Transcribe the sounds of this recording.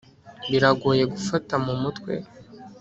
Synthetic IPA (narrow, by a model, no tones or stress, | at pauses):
βiɾaɡuːje̞ɡufatamumutkwe̞̰